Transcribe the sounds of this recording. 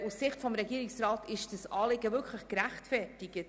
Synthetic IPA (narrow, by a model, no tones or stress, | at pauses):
ussɪχtfɔmɾɛɡiːɾɪksrɑːtɪʃd̥əsɑːlɪɡəvʏɾkχləχkɾæχtfɛrtɪɡ̥ə